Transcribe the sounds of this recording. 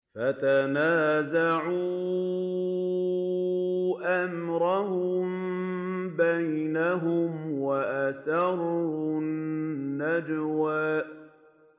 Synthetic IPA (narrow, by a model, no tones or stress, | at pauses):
fat̪anaːzaʕuː | ʔamɾˤɑhʊm | bajnaɦʊmwaʔasɑɾˤ | nːad͡ʒwaː